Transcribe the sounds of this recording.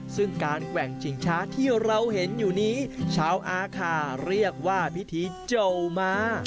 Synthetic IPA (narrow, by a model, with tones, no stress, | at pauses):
sɯ˥˩ŋkaː˧nkwɛ˨˩ŋt͡ɕʰi˨˩˦ŋt͡ɕʰaː˦˥t̪ʰiː˥˩ɾa˧wɦe˩˦njuː˨˩niː˦˥t͡ɕʰaː˦˥wʔaː˧kʰaː˧ɾi˥˩ək̚waː˥˩pʰi˦˥t̪ʰiː˧˥˩t͡ɕo˧wmaː˧˥